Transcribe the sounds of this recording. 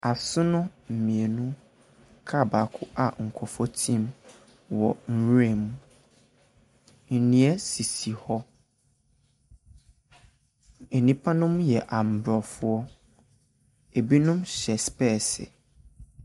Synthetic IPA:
a˨sʊ˦nʊ̃˦m̩˨mĩ˨e˨nũ˦ | kʰa˦˨ba˨kʰʊ˦ʔa˨ŋ̩˨kʰɔ˨fɔ˦tʰĩ˦m | wɔ˨n̩˨we˦˨mũ˨˦ | n̩˨nĩ˨ɛ˦si˨si˨hɔ˦ | e˨nĩ˦pʰa˦nʊ̃˦mjɛ˨ʔa˨m̩˨bɾɔ˨fʊ˦ɔ˦ | e˨bi˦nʊ̃˦mɕɛ˨spɛ˦˨sɪ̰˨

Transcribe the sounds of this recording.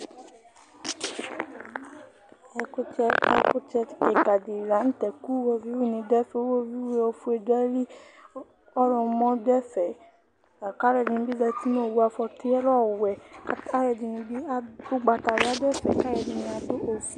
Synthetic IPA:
ɛ˨ko˦t͡ʃɛ˧ɛ˧ko˦t͡ʃɛ˧ti̥˦kɛ˨ka˨di˨ɾa˨˦n̩˦tɛ˨ku˦wo˦vi˦wu˦˨nĩ˧dɛ˦fɛ˨˦o˦wo˦vi˦we˦o˧fu˦e˨dɛ˦li˦ | ɔ˦ɾɔ̃˧mɔ̃˦dɛ˦fɛ˨ | a˨ka˦ɾɛ˨di˧nĩ˧bi˦zɛ˧ti˦no˦˨wu˦a˧fɔ˧tʰe˦ɛ˦ɾɔ˦˨wɛ˨ka˦ɾɛ˨di˧nĩ˧bi˦o˦ɡ͡ba˧ta˨i˦a˦dɛ˦˨fɛ˨ka˦ɾɛ˨di˨˧nĩ˧a˨do˦ʔo˨fu˨˦

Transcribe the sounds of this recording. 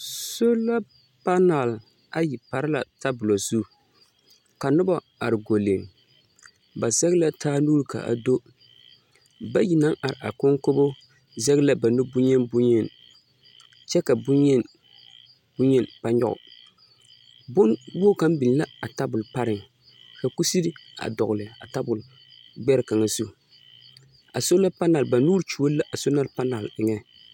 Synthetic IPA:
so˦la˦ | pa˦na˨l | a˦ji˨pa˨ɾɪ˦la̰˨ta˦bʊ˨lo˨zu˦ | ka˨nʊ˦ba˦ | a˨ɾɪ˨ɡo˨le˨m | ba˨zɛ˦ɣla˦tʰaː˦nuː˦ɾka̰˨ʔa̰˨do˦ | ba˦ji˨na˦ŋʔa˨ɾɪ˨ʔa̰˨ko˦ŋko˦bo˦ | zɛ˦ɣla˦ba˨nʊ˦bʊ˦ɲɛ˦nbʊ˦ɲɛ˦n | t͡ʃɛ˦ka˨bʊ˦ɲɛ˦n | bʊ˦ɲɛ˦npa˦ɲɔ̰˦ɣʊ̰˨ | bʊ˦nwo˦ka˦m˦bi˨lla˦a˨ta˦bʊ˨lpa˦ɾɪ˨ŋ | ka˨ku˦si˦ɾi˦a̰˨dɔ˨ɣʊ˨lɪ˨a̰˨ta˦bʊ˨l | ɡ͡bɛ˦ɾka˨ŋa˨su˦˨ | a̰˨so˦la˦pa˦na˨lba˨nuː˦ɾt͡ʃu˨wo˦la˦ʔa˨so˦na˦lpa˦na˨lɪ˨ŋɛ˦

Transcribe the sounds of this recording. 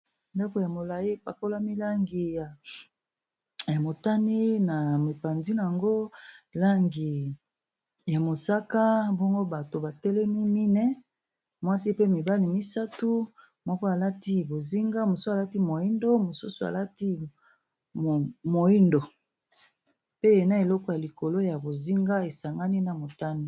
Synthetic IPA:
nda˦ko˨ja˨mo˨la˨ji˦pa˨ko˦la˦mi˦la˦ŋɡi˨ja˨ | ja˨mo˨ta˦ni˦na˨me˨pa˨nzi˦na˨ja˨ŋɡo˦la˦ŋɡi˨ | ja˨mo˨sa˦ka˦bɔ˦ŋɡo˦ba˨to˨ba˨tɛ˦lɛ˦mi˦mi˦nɛ˦ | mwa˦si˦pe˦mi˨ba˦li˨mi˦sa˦tu˦ | mwɔ˦ko˦a˨la˦ti˦bo˨zi˦ŋɡa˦mo˨su˦a˨la˦ti˦mo˨i˦ndo˦mo˨su˦su˨a̰˨la˦ti˦˨ | mo˨i˦ndo˨ | pe˦e˨na˦e˨lɔ˦kɔ˦ja˨li˨ko˨lo˦ja˨bo˨zi˦ŋɡa˦e˨sa˨ŋɡa˦ni˦na˨mo˨ta˦ni˦

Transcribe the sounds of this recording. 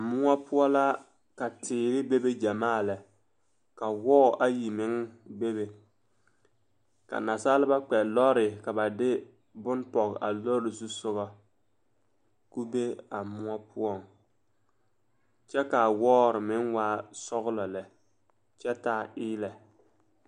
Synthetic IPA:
mʊ˦a˦pʊ˦ɔ˦la˦ | ka˨tɪː˨ɾɪ˦be˦be˦d͡ʒa˨maː˦˨lɛ˨ | ka˨wɔː˦˨ʔa˦ji˨mɪ˦ŋbe˦βe˨ | ka̰˨na˨saː˦lɪ˦ba˦k͡pɛ˨lɔ˦ɾɪ˨ka˨ba˨dɪ˦ | bʊ˦npɔ˨ɣa̰˨lo˦ɾɪ˨su˦sʊ˦ɣɔ˦ | ku˦be˦a˨mʊ˦ɔ˦pʰʊ˦ɔ˦˨ŋ | t͡ʃɛ˦ka˨wɔː˦ɾɪ˨mɪ˦ŋwaː˦sɔ˦ɣlɔ˨lɛ˨ | t͡ʃɛ˦taː˦˨ʔɪː˦lɛ˨

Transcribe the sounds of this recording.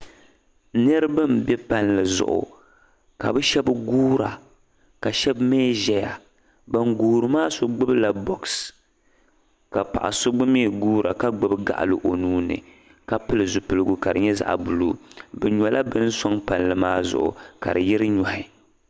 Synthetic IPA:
nɨ˦ɾɨ˦bɨ˦mbɛ˦pa˨nlɨ˨zʊ̰˨ʔʊ̰˨ | ka˨bɨ˦ʃɛ˦bɡuː˦ɾa˨ | ka˨ʃɛ˦bmeː˦ʒɛ˦ja˨ | ba˨ŋɡuː˨ɾɨ˨˦maː˦so˦ɡ͡bɨ˦bla˨bɔ˨ks | ka˨pa̰˨ʔa̰˨so˦ɡ͡bɨ˦meː˦˨ɡuː˦ɾʔa˨ka˦ɡ͡bɨ˦bɡa̰˨ʔa̰˨lɨ˨ʔo˨nuː˦nɨ̰˨ | ka˦pɨ˦lɨ˨zʊ˨pɨ˨lɨ˦ɡu˨ka˨dɨ̰˨ɲɛ˦za̰˨ʔbu˨lṵː˦bɛ˨ɲɔ˨lʔa˦bɨ˦n˦sɔ˦ŋpa˨nlɨ˨maː˦zʊ̰˨ʔʊ̰˨ka̰˨ɾɨ˨jɪ˦ɾɨ˦ɲɔ˨hɪ˦˨

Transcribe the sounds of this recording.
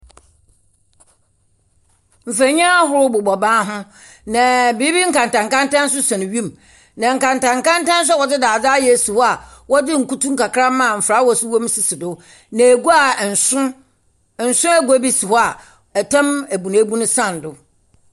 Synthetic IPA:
m̩˨fæ˨ɲã˦a˦ɦʊ˦ɾʊ˦bʊ˨bɔ˨bãː˦ɦʊ̃˦ | nã˨biː˦bi˦ŋ̩˦kã˨ntã˨ŋ˨kã˦ntã˦n̩˦s̬ʊ˦sã˨nɪ̃˨ɥĩ˦m˨ | nã˨ŋ̩˨kã˨n˨tã˨ŋ˨kã˦n˦tã˦n̩˦s̬ɛ˦wɔ˨dɪ˦daː˨d͡zaː˦jɛ˨su˨hɔ˦a˨wɔ˦dɪ˦ŋ̩˨ku˦tũ˦ŋ̩kʰa˨kʰɾã˦mã˦˨m̩˨fɾa˦wɔ˦˨sʊ˦wo˦m˦si˨sɪ˨dʊ˦ | nã˨e˨ɡu˦a˨˦˨ | n̩˨sʊ̃˦æ˦ɡo˦bi˦su˨hɔ˦a˨ | ɛ˨tʰã˦mæ˨bu˨nã˨˦bũ˦nʊ̃˦sã˦˨n˨dʊ˨

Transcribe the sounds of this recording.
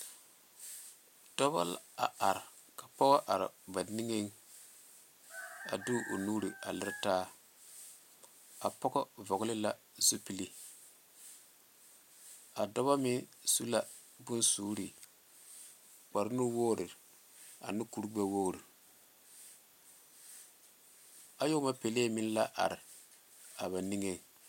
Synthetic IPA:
d̥ɔ˦ba̰˦la̰˨a˨ɾ | ka˨pɔ˦ɡɔ˦ʔa˨ɾɪ̰˨ba˨ni˦ŋe˦ŋ | a̰˨du˦ʔo˨nuː˦ɾi˨a̰˨lɪ˦ɾtaː˦ | a˨pɔ˦ɡɔ˦vɔ˨ɡlɪ˦la˦ | zu˦pi˦li˦ | a˨dɔ˦βa˦mɪ˦nsu˦la˨ | bʊ˦nsuː˦ɾi˨ | k͡pa˨ɾnu˦woː˦ɾɪ˨ | a̰˨nɪ˦ku˦ɾu˦ɡ͡ba˦wo˦˨ɾi˨ | a˨jo˦ma˦pe˨leː˦mɪ˦n˦la˦ʔa̰˨ɾɪ˨ | a˨βa˨ni˦ŋe˦

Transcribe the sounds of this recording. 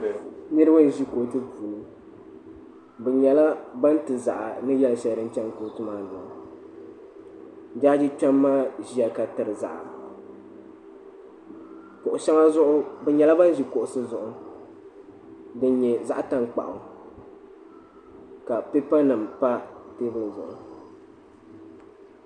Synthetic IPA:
nɨ˦ɾɨ˦ba˦n˨ʒi˦koː˨tɨ˦puː˨nɨ˨ | bɛ˨ɲɛ˨la˦ba˦n˦tɨ˨za̰˨ʔa˨nɨ˦jɛ˦lʃɛ˦ldɨ˦n˦t͡ʃɛ˦ŋkoː˨tɨ˦maː˦zʊ˨ʔʊ˨ | d͡ʒa˦d͡ʒi˦t͡ʃɛ˦mːaː˦ʒi˦a˨ka˨tɨ˨ɾɨ˨za̰˨ʔa˨ | ko˨ʔʊ˨ʃɛ˦ŋa˦zʊ˦ʔʊ˦bɛ˨ɲɛ˨la˦ba˦n˦ʒi˨ko˨ʔʊ˨sɨ˦zʊ˨ʔʊ˦ | dɨ˦n˦ɲɛ˨za˦ʔta˦ŋk͡pa̰˨ʔʊ˨ | ka˨pe˦pa˦nɨ˨mpa˦teː˦bɨ˦lɨ˨zʊ̰˨ʔʊ̰˦

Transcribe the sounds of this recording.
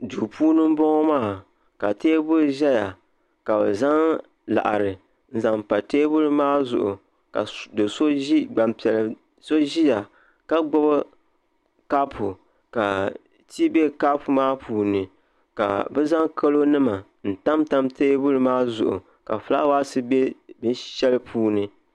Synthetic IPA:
duː˨puː˦nɨ˦m̩˦bɔ˦ŋɔ˦maː˦˨ | ka˨teː˦bʊ˦ɾʒɛ˦ja˨ | ka˨bɛ˨za˦ŋ | la̰˨ʔa˨ɾɨ˨ | n̩˦za˨mpa˨teː˦bʊ˦ɾɨ˦maː˦zʊ̰˨ʔʊ˨ | ka̰˨dɨ˨so˦ɡ͡ba˨mpɛ˨l | so˦ʒi˦ja˨ | ka˦ɡ͡bɔ˦bɨ˦ | ka˦pʰu˨ | ka˨ | ti˦be˦ka˦pu˨maː˦pʰuː˨nɨ˨ | ka̰˨bɛ˦za˦ŋkʰa˦lo˦nɨ˦ma˨ | n̩˨ta˦mta˦mteː˦bʊ˦ɾɨ˨maː˦zʊ̰˨ʔʊ̰˨ | ka̰˨fla̰˦wa˦sɨ˦be˦bɨ˦n˦ʃɛ˦lɨ˦pʰuː˦nɨ˦

